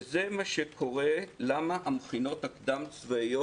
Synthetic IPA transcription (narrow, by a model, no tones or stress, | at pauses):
ze̞maʃekʰo̞ʁe̞lamaʔamχino̞t̪akd̪amt͡svaijo